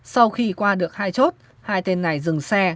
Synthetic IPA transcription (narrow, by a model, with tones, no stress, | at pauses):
sa˧wxi˧kwaː˧ɗɨ˨˩ək̚haː˧jt͡ɕo˦˥t̚ | haː˧jt̪e˧nːa˨˩jzɨ˨˩ŋsɛ˧